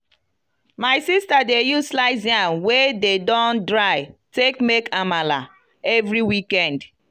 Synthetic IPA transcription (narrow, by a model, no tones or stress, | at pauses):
maɪsistadejuslaɪziãnwededɔ̃ndɹaɪtekmekamala | ɛvɾiwikɛ̃nd